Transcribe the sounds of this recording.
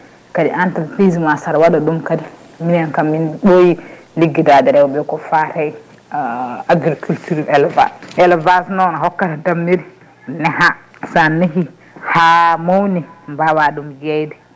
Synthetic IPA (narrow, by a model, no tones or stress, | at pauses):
kadḭʔantalpizimasaɾawaɗaɗumkadi | minankamːinɓoji | liɡːidadɛɾɛwɔbɛkɔfaɾaj | aɡɾikʰultuɾɛlva̰sʔɛlvasnɔnaɦɔkːatadamːiɾi | nɛɦa | sanːiɦi | hamownimbawaɗumjɛjdɛ